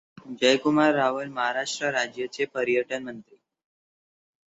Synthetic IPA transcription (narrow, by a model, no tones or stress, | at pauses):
d͡ʑəjkumaɾːaʋəlməɦaɾaʂʈɾəɾad͡ʑjət͡ɕepəɾjəʈənmənt̪ɾi